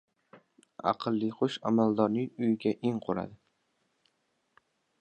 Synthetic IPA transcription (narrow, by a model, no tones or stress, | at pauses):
ɑ̰qʰɨlˠːɪχʊʃa̰mald̪ɒɾnɪŋʊjɪɡʲaʔɪŋqʰoɾa̰d̪ɪ